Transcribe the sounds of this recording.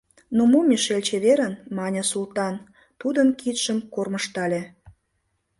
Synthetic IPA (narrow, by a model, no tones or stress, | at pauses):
nomomʲeʃelʲt͡ɕeβeɾənmɑnʲəsulˠt̪ɑn | t̪ud̪ənkit̪ʃəmkorməʃt̪ɑlʲe